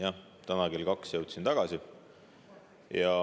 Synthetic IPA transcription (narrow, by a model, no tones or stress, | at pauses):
jɑ | t̪ænɑɡelkɑksjɤwt̪sint̪ɑɡ̥ɑsi | jɑ